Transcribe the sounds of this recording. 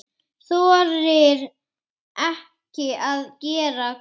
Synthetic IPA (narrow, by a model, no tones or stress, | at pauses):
θɔɾɪɾ | ɛh | cɪaðcɛːɾa